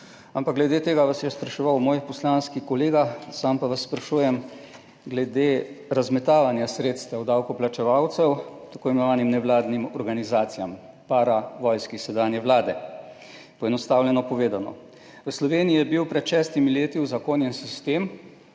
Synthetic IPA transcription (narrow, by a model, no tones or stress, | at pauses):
ampakɡlɛd̪et̪eːɡaʋasjɛspɾaʃɛʋawmoːjpɔslanskikɔleːɡasampaʋasːpɾaʃuːjɛm | ɡlɛd̪eɾazmɛt̪aːʋanjasɾeːt̪st̪ʋawd̪awkɔplat͡ʃɛʋawt̪sɛwt̪ḁkoːjɛmɛnɔʋaːnimnɛʋlaːd̪nimɔɾɡanizaːt̪sijam | paːɾaʋɔjskisɛd̪aːnjɛʋlaːd̪ɛ | pɔɛnɔst̪aːwlʲɛnɔpɔʋeːd̪anɔ̰ | ʋəslɔʋeːniijɛbiwpɾɛt̪ʃɛːst̪imileːt̪iwzakoːnjɛnsist̪eːm